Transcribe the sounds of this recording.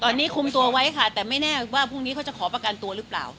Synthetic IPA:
t̪ɔː˧nːiː˦˥kʰu˧mt̪u˧ɐwa˦˥jkʰa˥˩t̪ɛː˨˩ma˥˩jnɛː˥˩waː˥˩pʰu˥˩ŋniː˦˥ka˦˥wt͡ɕa˨˩kʰɔː˩˦pɾa˧ka˧nt̪u˧ɐɾɯ˦˥pla̰ː˨˩w

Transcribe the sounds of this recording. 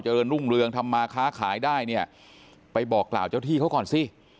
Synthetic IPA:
wt͡ɕa˧ɾɤː˧nɾu˥˩ŋɾɯ˧əŋt̪ʰa˧mːaː˧kʰaː˦˥kʰaː˩˦jdaː˥˩jni˥˩ə | pa˧jbɔː˨˩kːla̰ː˨˩wt͡ɕaː˥˩wt̪ʰiː˥˩kʰa˦˥wkɔː˨˩nsi˧˩

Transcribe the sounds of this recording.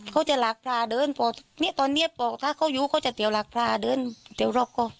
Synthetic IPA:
kʰa˧˩wt͡ɕa˧˩˨laː˨˦k̚pʰlaː˧˩dɤː˧˥˨npʰɔː˧˩ni˦˥˨t̪ɔː˧nːi˦˥ə˨pɔː˧˩t̪ʰaː˧˩kʰa˧˥˩wjuː˧˦kʰa˧˥˩wt͡ɕa˨˧˩t̪i˨˦wlaː˨˦k̚pʰlaː˧˩dɤː˧˥˨nt̪i˨˩˦wɾɔː˧˩p̚kɔː˧˩

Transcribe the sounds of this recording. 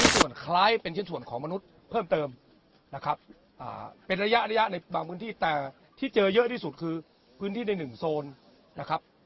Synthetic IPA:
su˨˩ənkʰlaː˦˥jpe˧nt͡ɕʰe˥˩nsu˨˩ənkʰɔː˩˦ŋma˧nu˦˥t̪̚ | pʰɤː˥˩mt̪ɤː˧m | na˦˥kʰa˦˥p̚ | ʔa̰ː˨˩pe˧nɾa˧ja˦˥ʔɾa˧ja˦˥ʔna˧jbaː˧ŋpʰɯː˦˥nt̪ʰiː˥˩t̪ɛː˨˩ | t̪ʰiː˥˩t͡ɕɤː˧jɤ˦˥ʔt̪ʰiː˥˩su˨˩t̪̚kʰɯː˧ | pʰɯː˦˥nt̪ʰiː˥˩na˧jnɯ˨˩ŋsoː˧n | na˦˥kʰa˦˥p̚

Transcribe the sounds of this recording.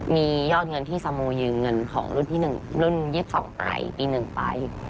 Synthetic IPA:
miː˧jɔː˥˩t̪̚ŋɤ˧nt̪ʰiː˥˩sa˧muː˧jɯː˧ŋɤ˧nkʰɔ̰ː˩˦ŋɾu˥˩nt̪ʰiː˥˩nɯ˨˩ŋlu˥˩nji˦˥˩p̚sɔ̰˩˦ŋʔa̰ː˧˩jpiː˧nɯ˨˩ŋpa˧j

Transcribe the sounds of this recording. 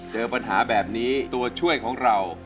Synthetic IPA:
t͡ɕɤː˧pa˧nɦaː˩˦bɛː˨˩p̚niː˦˥t̪u˧ɐt͡ɕʰu˥˩əjkʰɔː˩˦ŋɾa˧w

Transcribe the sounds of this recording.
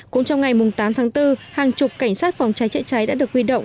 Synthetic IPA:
kʊ̰˧˥ŋ͡mt͡ɕɔ˧wŋ͡mŋa˨˩jmʊ˨˩ŋ͡mt̪aː˨˦mt̪ʰaː˨˦ŋt̪ɨ˧haː˨˩ŋt͡ɕʊ˨˩k͡p̚ka˧˩jŋ̟saː˦˥t̚fa˨˩wŋ͡mt͡ɕaː˨˦jt͡ɕə̰˧˥t͡ɕa˨˦jɗa̰ː˧˥ɗəkhwi˧ɗə̰˧˨wŋ͡m

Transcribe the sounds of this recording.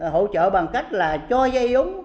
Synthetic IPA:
ho̰˧˨t͡ɕə̰ː˧˨ɓa˨˩ŋka˦˥jk̟̚laː˨˩t͡ɕɔ˧zə˧jzʊ˨˦ŋ͡m

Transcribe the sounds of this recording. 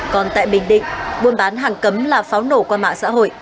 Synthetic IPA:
kɔ˨˩nt̪a̰ː˧˨jɓï˧˩ŋ̟ɗḭ̈˧˨ŋ̟ɓu˧ənɓaː˨˦nɦaː˨˩ŋkə˨˦mlaː˨˩faː˨˦wno˧˩kwaː˧ma̰ː˧˨ŋsa̰ː˧˥ɦo̰˧˨jʔ

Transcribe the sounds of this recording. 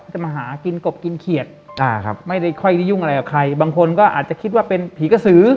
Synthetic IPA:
a˨˩maː˧ɦaː˩˦ki˧nko˨˩p̚ki˧nkʰi˨˩ət̪̚ʔaː˧˩kʰa̰˦˥p̚ma˥˩jda˥˩jkʰɔ˥˩jdi˥˩ju˥˩ŋa˧a˧jka˨˩kʰa˧jbaː˧ŋkʰo˧nkɔː˥˩ʔaː˨˩t̪̚t͡ɕa˨˩kʰi˦˥t̪̚waː˥˩pe˧npʰiː˨˦ka˧˩sɯː˨˩˦

